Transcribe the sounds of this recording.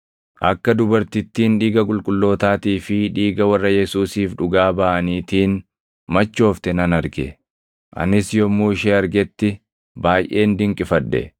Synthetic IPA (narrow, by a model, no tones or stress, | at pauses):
ʔɐkːɐd̪ʊbɐɾt̪ɪt̪ːiːnᶑiːɡɐkʼʊlkʼʊlːo̞ːt̪aːt̪iːfɪᶑiːɡɐwɐrːɐjɛsuːsiːfᶑʊɡaːbɐʔɐniːt̪iːn | mɐt͡ʃːo̞ːft̪ɛnɐnɐɾɡɛ | ʔɐ̰nɪsjɔmuːɪʃeːɐɾɡɛt̪ːɪ | baːjʔe̞ːnd̪ɪŋkʼɪfɐᶑːɛ̰